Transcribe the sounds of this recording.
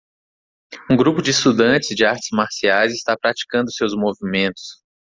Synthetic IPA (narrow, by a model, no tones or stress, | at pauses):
ũɡɾupʊd͡ʒɪːst̪ud̪ɐ̃nt͡ʃɪzd͡ʒɪaɾt͡ʃɪ̥zmaɾsiajzɪst̪apɾat͡ʃi̥kɐ̃nd̪ʊsewzmovimẽnt̪ʊ̥s